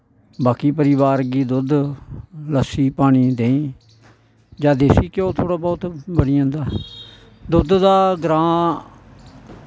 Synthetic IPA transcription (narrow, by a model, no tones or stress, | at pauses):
baːkiːpəɾɪβaːɾɡiːd̪ʊd̪ | ləsiːpaːɽ̃iːd̪eːĩː | d͡ʒaːd̪eːsiːkɪõːt̪ʰoːɽaːbɔːt̪bəɽɪjãːnd̪aː | d̪ʊd̪d̪aːɡɾãː